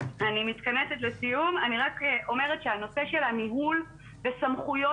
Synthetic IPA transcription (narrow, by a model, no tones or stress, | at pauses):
animit̪kaneset̪lesijumaniʁakʔo̞me̞ʁetʃeano̞se̞ʃelhamiɦul | vesamχujo